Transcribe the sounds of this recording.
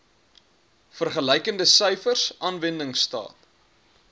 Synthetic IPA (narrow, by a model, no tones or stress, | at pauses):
fərχələjkəndəsœjfərsʔɑːnvəndəŋstɑ̰ːt